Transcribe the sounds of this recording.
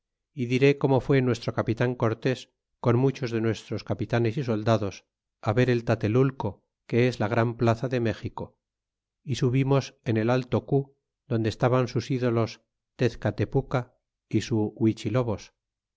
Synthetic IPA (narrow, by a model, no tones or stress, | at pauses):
iðiɾe̞ko̞mo̞fwe̞nwe̞st̪ɾo̞kapit̪aŋko̞ɾt̪e̞s | ko̞nmut͡ʃo̞zðe̞nwe̞st̪ɾo̞skapit̪ane̞siso̞ld̪aðo̞s | aβe̞ɾe̞lt̪at̪e̞lulko̞ | ke̞ezlaɣ̞ɾamplaθaðe̞me̞xiko̞ | isuβimo̞se̞ne̞lalt̪o̞ku | ðo̞nd̪est̪aβansusiðo̞lo̞s | t̪e̞θkat̪e̞puka | isuwit͡ʃilo̞βo̞s